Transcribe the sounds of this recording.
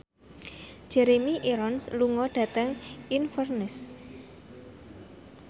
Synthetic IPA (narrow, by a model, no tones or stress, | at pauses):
d͡ʒ̥ɛɾemiʔiɾɔnsluŋɔɖ̥ä̤t̪əŋinfərnɪs